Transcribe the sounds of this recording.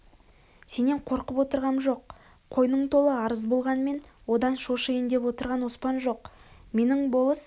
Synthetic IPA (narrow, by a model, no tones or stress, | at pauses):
se̞ne̞ɴqʰo̞ɾqəpwo̞t̪əɾʁɑnʒo̞qʰː | o̞jnəɴt̪ʰo̞lˠəɑɾəzbo̞lˠʁɑnme̞nwo̞d̪ɑnʃo̞ʃəjənd̪e̞pwo̞t̪əɾʁɑnwospɑnʒo̞qme̞nɪŋbo̞lˠəs